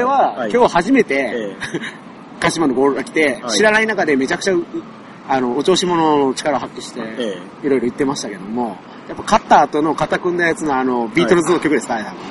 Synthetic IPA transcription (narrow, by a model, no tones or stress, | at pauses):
oɾe̞βakʲo̞ːhaʑime̞t̪e̞ | kaɕimanoɡoɾɯɾakʲi̥t̪e̞ɕiɾanainakad̪e̞me̞t͡ɕakɯ̟̥t͡ɕa | ano̞ːt͡ɕo̞ːɕimo̞no̞no̞t͡ɕi̥kaɾaoɦakʲːiɕi̥t̪e̞ | iɾo̞iɾo̞it̪ːe̞maɕi̥t̪ake̞d̪o̞mo̞ | japːakat̪ːaːt̪o̞no̞kat̪akɯ̃nd̪ajat͡sɨnoano̞bʲiːt̪oɾozɨno̞kʲo̞kɯ̟d̪e̞sɨ̥aed̪a